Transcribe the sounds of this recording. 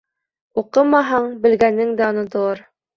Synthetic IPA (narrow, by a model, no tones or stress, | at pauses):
uqɤmɑɦɑɴbɘ̆lɡænːɘŋd̪æŏnŏt̪ŏlˠɑɾ